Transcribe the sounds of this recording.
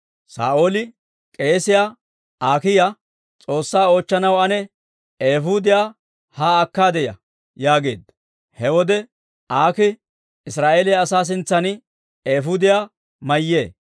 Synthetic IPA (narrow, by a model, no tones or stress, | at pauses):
sa̰ːʔoːlɪ | kʼe̞ːsɪja | aːkɪja | t͡sʼo̞ːsːaːo̞ːt͡ʃːɐnɐwɐnɛ | eːɦʊd̪ɪjaː | haːkːaːd̪ɛjɐ̰ | jaːɡe̞̰ːd̪ːɐ | hɛwɔd̪ɛ | ʔaːkɪ | ɪsɾaːʔeːlɪjɐːsaːs̬ɪnt͡sːɐnɪ | eːfʊd̪ɪjaː | mɐjːe̞ː